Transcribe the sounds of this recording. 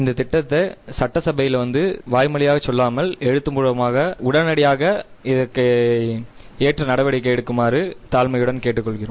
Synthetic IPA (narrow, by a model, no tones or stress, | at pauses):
ɪnd̪ɐt̪ɪʈːɐt̪ːɐsɐʈːɐsɐbɐjɪlʋɐnd̪ɯʋaːjmɐɭɪjaːɣɐt͡ʃːɔlːaːmɐlɛɻɯt̪ːɯmpuɻɐmaːɣɐʊɽɐnɐɽɪjaːɣɐɪðɐkːɐ | eːʈrɐnɐɽɐʋɐɽɪk̬ːɐɛːɽɯkːɯmaːɾɯt̪aːlmɐjɯɽɐnkeːʈːɯkːɔɭɣɪrɯm